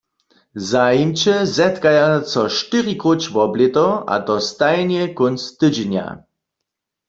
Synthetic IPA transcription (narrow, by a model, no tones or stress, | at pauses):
zajimt͡ʃɛzɛt̪kajat͡sɔʃtɪʁikot͡ʃvɔblet̪ɔʔa̰t̪ɔst̪ajnjɛkonst̪ɨd͡ʒɛnja̰